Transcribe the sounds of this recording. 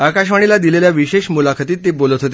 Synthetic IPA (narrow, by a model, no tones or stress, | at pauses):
akaɕʋaɽ̃ilad̪ileljaʋiɕeɕmulakʰət̪iːt̪ːebolət̪ɦot̪e